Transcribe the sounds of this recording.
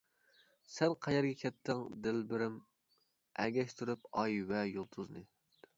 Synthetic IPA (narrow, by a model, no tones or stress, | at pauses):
sɛnqʰɑjɛɾɡʲɛkʲʰɛt̪ʰːɪŋd̪ɪlbɪɾɪm | ɛɡʲɛʃt̪ʰyɾyp̚ɑjwɛjolˠt̪ʰuznɨ